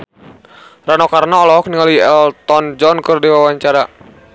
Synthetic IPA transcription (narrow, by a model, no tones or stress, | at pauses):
ranɔkarnaɔlɔɔk̚niŋaliɛlt̪ɔnd͡ʒɔnkɨrdiwawaɲt͡ʃaɾa